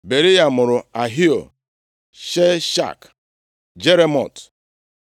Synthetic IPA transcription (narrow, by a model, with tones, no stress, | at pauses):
be˨ɾi˦ja˨mʊ˨ɾʊ˨a˨ɦi˦o̰˨ | ʃe˦ʃa̰˦˨k | d͡ʒe˦ɾe˦mɔ̰˨t